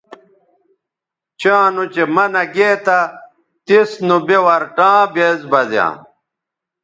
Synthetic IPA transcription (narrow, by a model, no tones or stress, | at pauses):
t͡ɕãːnut͡ɕemɐnɐɡeːt̪ɐ | t̪isnubewɐɾʈãːbeːzbɐzjã̰ː